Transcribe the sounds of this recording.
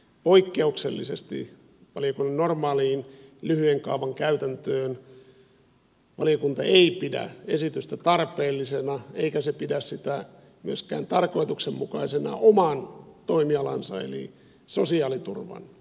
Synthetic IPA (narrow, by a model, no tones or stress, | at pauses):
poikːeukselːisest̪ḭ | ʋɑlijokunːɑnnormɑːliːnlyhyeŋkɑuʋɑŋkæyt̪ænt̪øːn | ʋɑlijokunt̪ɑeipidæ̰esit̪yst̪æt̪ɑrpeːlːisenɑeikæsepidæssit̪æ | myøskæ̰ːnt̪ɑrko̞it̪uksemmukɑisenɑ̰ʔomɑnt̪oimiɑlɑ̰nsɑ̰ḛlḭ | sosiɑːlit̪urʋɑ̰n